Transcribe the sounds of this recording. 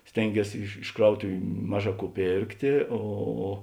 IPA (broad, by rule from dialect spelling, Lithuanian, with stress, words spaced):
ˈsʲtʲeːŋʲˌɡʲiɛs ɪʃ ɪʃ ˈkrɐʊtʊʋʲʊ ˈmɑːˌʒɑː ˈkuː ˈpʲeːrktʲeː ˈoː